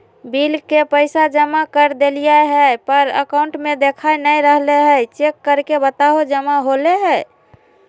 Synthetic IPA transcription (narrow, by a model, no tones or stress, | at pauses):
bilkepəɪsad͡ʒəmakəɾd̪elijaɦɛpəɾə̰kaʊɳʈmed̪ekʰajnəiɾəɦleɦət͡ʃekːəɾkebət̪aɦod͡ʒəmaɦoleɦɛ